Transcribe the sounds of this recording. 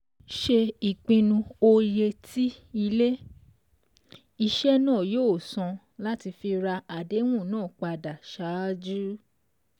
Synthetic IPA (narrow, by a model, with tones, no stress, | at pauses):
ʃe˧i˨k͡pĩ˧nũ˧o˧je˧tʰi˦i˧le˦ | i˧ʃɛ˦nãː˦˨joː˦˨sɔ̃˧ | la˦ti˧fi˧ɾa˧a˨de˨˦w̃ũ˦˨nãː˦˨k͡pa˧da˨ʃa˨˦d͡ʒu˦